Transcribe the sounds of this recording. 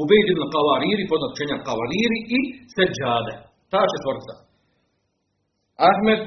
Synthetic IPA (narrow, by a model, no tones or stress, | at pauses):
ubejd̪ibnqaʋaːɾiːɾipod̪nat̪u̥t͡ʃeɲaqɑʋaːɾiːɾiʔisɛd͡ʒaːd̪e | t̪aːʃet̪ʋoɾt̪sa̰ | ahmed̪